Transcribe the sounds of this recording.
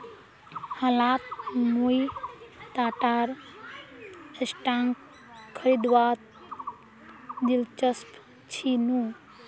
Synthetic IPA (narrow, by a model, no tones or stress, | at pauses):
həlat̪nujt̪aʈaɾ | əsʈaŋk | kʰːəɾid̪ʋat̪̚ | d̪ilt͡ʃəsp | t͡ʃʰinu